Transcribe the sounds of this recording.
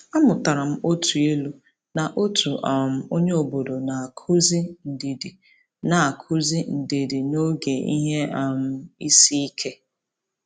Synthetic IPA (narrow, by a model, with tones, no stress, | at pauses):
a˦mʊ˨ta˨ɾa˨m̩˦o˦tʰu˨e˦lu˦ | na˨ʔo˦tʰu˨ʔa˨m̩˨o˦ɲe˦o˨bo˨do˨na˨a˨kʰu˦zi˦n̩˨di˨di˨ | na˨a˨kʰʊ˦zi˦n̩˨di˨di˨no˦ɡe˨i˦ɦe˦a˨m̩˨˦˨i˦si˦i˦kʰe˦